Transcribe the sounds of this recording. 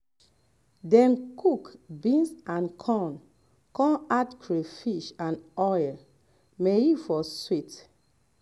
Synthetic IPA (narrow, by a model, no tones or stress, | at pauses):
dɛ̃nkʰukbĩnsãnkʰɔ̃n | kɔ̃natkʰɹefiʃãnɔjl | mejifɔswit